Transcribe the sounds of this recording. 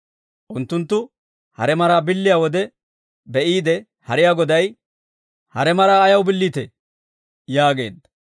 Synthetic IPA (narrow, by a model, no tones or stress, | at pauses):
ʔʊnt̪ːʊnt̪ːʊ | hɐ̰ɾɛmɐɾaːbɪlːɪjaːwɔd̪ɛ | bɛʔiːd̪ɛ | hɐɾɪjaːɡɔd̪ɐj | hɐɾɛmɐɾaːɐjɐwbɪlːiːt̪ɛ | jaːɡe̞̰ːd̪ːɐ̥